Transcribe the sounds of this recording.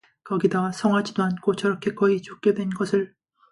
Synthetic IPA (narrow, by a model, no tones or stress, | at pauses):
kʌɡidasʰʌŋɦad͡ʑidoankʰot͡ɕʌɾʌkʰe̞kʌit͡ɕok̚k͈edwe̞nɡʌsʰɯɭ